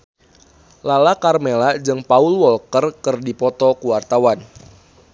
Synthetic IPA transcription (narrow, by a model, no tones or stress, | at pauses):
lalakarmelad͡ʒɨŋpaʊlwɔlkərkɨrdipɔt̪ɔkuwart̪awan